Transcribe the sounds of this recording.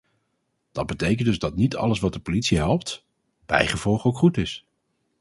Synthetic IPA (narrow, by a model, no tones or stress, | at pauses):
d̥ɑd̚bətejk̬əndɵzdɑtnitʰɑ̰ləsʋɑt̚dəpolitsiɦɛlˠp̚t | b̥ɛ̰jχəv̥ɔlˠχəowkχutɪs